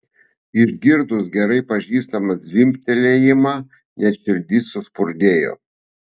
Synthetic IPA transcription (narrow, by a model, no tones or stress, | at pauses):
ɪʒɡʲɪɾd̪ʊsɡʲɛɾɐɪpɐʒʲiːst̪ɐmɐd̪zʲʋʲɪmʲpʲt̪ʲɛlʲejɪmɑː | nʲɛt̪ʃʲɪlʲd̪ʲɪsʊspʊɾʲd̪ʲeːjo̰ː